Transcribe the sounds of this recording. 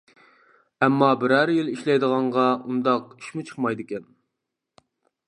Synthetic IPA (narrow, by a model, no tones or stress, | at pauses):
ɛmːɑbɪɾæɾjiliʃlɛjd̪əʁɑɴʁɑund̪ɑqi̥ʃmut͡ʃʰə̥χmɑjd̪ɪkʲɛn